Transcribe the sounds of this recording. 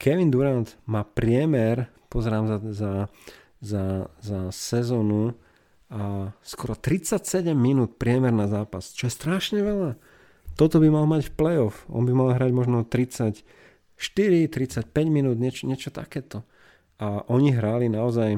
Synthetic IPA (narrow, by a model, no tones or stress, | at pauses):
kɛʋind̪uɾant̪maːpɾɪɛmɛɾ | pɔzɛɾaːmsaza | zazasɛzɔːnu | askɔɾɔt̪ɾit͡sacsɛɟɛmːinuːt̪pɾɪɛmɛɾnazaːpast͡ʃɔjɛst̪ɾaʃɲɛʋɛʎa | t̪ɔt̪ɔbimalmacfplɛjɔfɔ̰nbimalɦɾaɟmɔʒnɔt̪ɾit͡sac | ʃt̪iɾit̪ɾit͡sac̚pɛɟminuːd̪ɲɛt͡ʃɲɛt͡ʃɔt̪a̰kɛːt̪ɔ | ʔaʔɔɲiɦɾalinaɔzaj